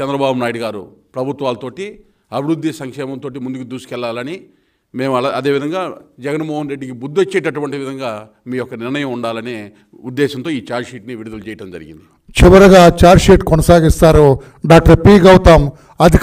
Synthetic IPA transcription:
t͡ʃɛnd̪ɾɐbaːbunaːjɽiɡaːɾṵpɾɐbʱut̪ʋaːlɐt̪oːʈi | ɐbʱiɾud̪ʱːisɐŋkʂɛːmɐmt̪oːʈ̬imund̪ukud̪uːsi̥kɛlːaːlɐni | me̞ːmɐlɐɐd̪eːʋid̪ɐŋɡaːd͡ʒɛɡɐnmoːɦɐnɾeɖːikibud̪ːot͡ʃːɛːʈɐʈuʋɐɳʈiʋid̪ʱɐŋɡaː | miːjɔkɐnɪɾɳɐjɐmuɳɖaːlɐne | ud̪ːɛːʃɐnt̪o̞ːiːt͡ʃaːɾʃiːʈniʋiɽud̪ɐlut͡ʃɛːjɐʈɐmd͡ʒɐ̰ɾḭɡḭnd̪i | t͡ʃiʋɐɾɐɡaːt͡ʃaːɾʃiːʈkɔnɐsaːɡist̪aːɾu | ɖaːk̚ʈɐɾpiːɡɐwut̪aːm | ɐd̪ʱi

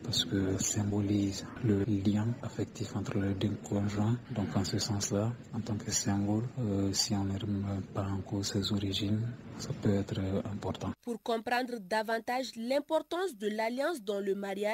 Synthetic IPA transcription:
paɾsə̥kəɔ̃sɛ̃bolizləlijɛ̃afɛkt̪ifɑ̃t̪ɾəlɛd̪ɛ̃kʰɔ̃ʒwɛ̃d̪ɔ̃kd̪ɑ̃səsɑ̃sla | ɑ̃t̪ɑ̃kəsɛ̃ɡɔlsiɔ̃nɛɾmɛ̃pãːkɔzsɛzoɾiʒinsapøɛt̪ɾɛ̃mpɔɾt̪ɑ̃puɾkɔ̃pɾɑ̃d̪ʁd̪avɑ̃t̪aʒlɛ̃pɔɾt̪ɑ̃sd̪əlaljɑ̃sd̪ɔ̃ləmaʁja

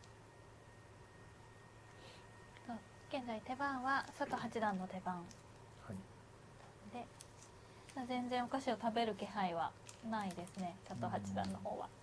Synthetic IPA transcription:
o | ɡ̥ẽ̞nd͡zait̪e̞bãɰ̃βasat̪o̞hat͡ɕid̪ãnːo̞t̪e̞bãŋ | h | d̪e̞ | d͡ʑazẽ̞nd͡zẽ̞ɰ̃okaɕio̞t̪abe̞ɾɯ̟ke̞ɦaiβa | naid̪e̞sɨne̞sat̪o̞ɦat͡ɕid̪ã̰nːo̞ho̞̰ːβa̰

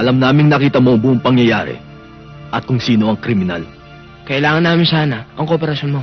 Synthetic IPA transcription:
ʔɐlɐmnaːmɪŋnɐkiːt̪ɐmo̞ɐŋbʊʔʊŋpɐŋjɐja̰ːɾɛ̰ | ʔɐt̪̚kʊŋsiːno̞ʔɐŋkɾɪmɪna̰l | kɐʔɪlaːŋɐnːaːmɪnsaːnɐʔɐŋko̞ːpɛɾɐsjo̞nmo̞

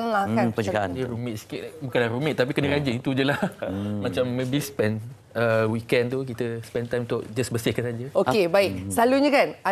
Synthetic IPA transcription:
lakanpəd͡ʒaa̰əɾumɪʔ̪̚sə̥kɪt̪bukalahɾumɪʔ̚t̪ap̬ikənəɡad͡ʒəit̪ud͡ʒəlamat͡ʃamːebispɛn | əwikɛ̃nt̪uk̬it̪əspɛnt̪ajmunt̪ʊʔd͡ʒasbəsihkanad͡ʒəokebaɪk̚saluɲəkana

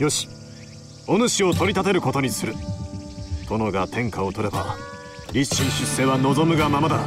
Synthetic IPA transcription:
jo̞ɕi̥ | o̞nɯɕio̞t̪o̞ɾʲit̪at̪e̞ɾɯ̟ko̞t̪oɲ̟isɨɾɯ̟ | t̪ʰo̞no̞ɡat̪ʰẽ̞ŋkao̞t̪o̞ɾe̞ba | ɾʲiɕĩɕisːe̞βano̞zo̞mɯ̟ɡamamad̪a

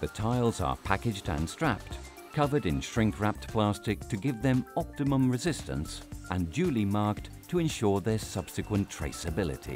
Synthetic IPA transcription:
ðɨtʰaɪlˠzə̰˞pʰækɨd͡ʒdɨ̰̃nstɹ̥æp̚t | kʰʌvə˞ɾɨ̃nʃɹɪ̃ŋkɹæp̚tpʰl̥æstɨk̚tʰɨɡɪvðɨ̃mɑp̚tɨmə̃mɹɨzɪstɨ̰̃nsʔɨ̃ndʉlˠimɑɹk̚tʰɨɨ̃nʃʊɹðə˞sʌb̥sɨkwə̃ntʰɹ̥ḛɪsɨbɪlˠɨ̰ɾḭ

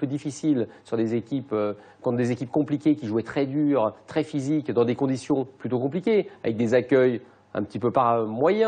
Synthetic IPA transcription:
pød̪ifisilsyʁd̪ezekʲipø | kɑ̃t̪d̪ezekʲipkɔ̃plikʲekʲiʒuɛt̪χɛd̪yʁt̪χɛfizikd̪ɑ̃d̪ekɔ̃d̪isjɔ̃plyt̪okɔ̃plikʲea̰vɛk̚d̪ezakʲœj | ɛ̰̃pə̥t̪ipøpaʁmwajɛ̃

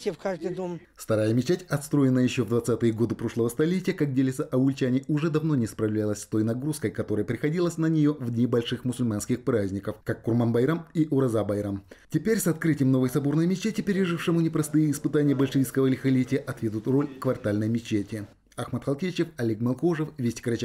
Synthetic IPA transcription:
tʲɪfkaʐd̪ɨd̪om | st̪ɐɾajəmʲɪt͡ɕetʲɐt̪st̪ɾo̞jɪnːəjɪɕːo̞vd̪vɐt̪sat̪ɨjəɡo̞d̪ɨpɾo̞ʂlˠəvəst̪ɐlʲetʲɪjəkak̚dʲelʲɪt̪səʔɐʊlʲt͡ɕanʲɪʔʊʐɛd̪ɐvnonʲɪspɾɐvlʲalˠəsʲst̪o̞jnɐɡɾuskəjkɐt̪o̞ɾəjəpɾʲɪxɐdʲilˠəsʲnənʲɪjo̞vd̪ʲnʲɪbɐlʲʂɨxmʊsʊlʲmanskʲɪxpɾazʲnʲɪkəfkakːʊrmanbɐjɾamiʔʊɾɐzabɐjɾamtʲɪpʲeɾʲsɐt̪kɾɨtʲɪjəmno̞vəjsɐbo̞rnəjmʲɪt͡ɕːetʲɪpʲɪɾʲɪʐɨfʂɨmʊnʲɪpɾɐst̪ɨjəɪspɨt̪anʲɪjəbəlʲʂɨvʲijskəvəlʲɪxɐlʲetʲɪjəʔɐt̪vʲed̪ʊt̪ro̞lʲkvɐrt̪alʲnəjmʲɪt͡ɕːetʲɪ | axmət̪xɐlˠkʲet͡ɕɪfɐlʲekmɐlˠkoʐəfvʲesʲtʲɪ̥kɾɐt͡ɕa

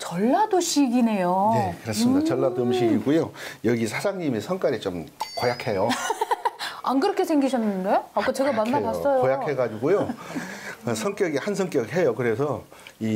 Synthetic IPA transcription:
t͡ɕʌɭːadoɕʰiɡine̞jone̞kɯɾes͈ɯmidaʌɭːadomɕʰiɡiɡujojʌɡisʰad͡ʑaŋɲimisʰʌŋk͈aɾit͡ɕomkojakʰe̞jo | ankɯɾʌkʰesʰeŋɡiɕʰʌnːɯnde̞ak͈at͡ɕe̞ɡamanːatas͈ʌjoojakʰɦe̞ɡad͡ʑiɡujo | sʰʌŋk͈jʌɡihansʰʌŋk͈jʌɡɦejokɯɾe̞sʰʌ | i

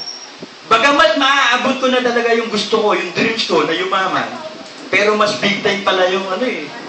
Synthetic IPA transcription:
bɐɡamɐsmɐʔaʔɐbot̪̚konɐt̪ɐlɐɡajʊŋɡʊst̪oko̞jʊŋd̪ɾɪnt͡ʃko̞nɐjʊmaːmɐ̰ | pɛːɾo̞mɐsbɪɡ̚t̪ɐjnpɐlajʊŋʔɐno̞ʔɛ

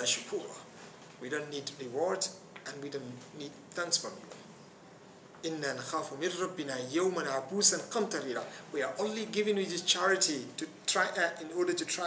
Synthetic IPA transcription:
aʃʊkʰuːɾ | widõʊ̃nːiːdɹɪwɔɹd | ʔə̃nwidõʊ̃nːid̪̚θæ̃ŋksfɔmɪ̰̃ | ʔɪnːaːnaxaːfumɪ̃nɾˤɑbːɪnaːjawmãnʕabuːsãnqɑmt̪ɑɾiɾa̰wiaʔõʊnliɡɪvɪ̃ŋwiðɪst͡ʃʰaɹɪtitutʰɹ̥aɪʔatɪ̃nɔɹdə˞tutʰɹa

